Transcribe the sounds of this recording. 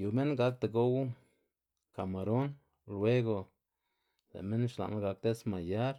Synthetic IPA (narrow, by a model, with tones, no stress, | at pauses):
ju˨me˦nɡa˧k̚t̪e˨ɡo˦w | ka˨ma˨ɾo˦n | lwe˦ɡo˨ | lḛ˨me˦nʃla̰˨na˦ɡa˧k̚t̪e˦sma˨ja˦ɾ